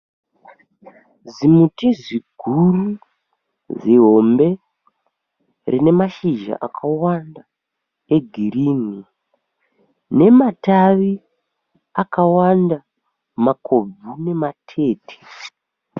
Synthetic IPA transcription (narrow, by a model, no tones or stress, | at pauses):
zimutiziɡʱuru | ziɦo̞mbe̞ | rine̞maʃiʒa̰ʔakʰawanda | eɡʱiriːni | ne̞mataʋi | akawanda | makʰo̞b͡vune̞matʰe̞ːtʰe̥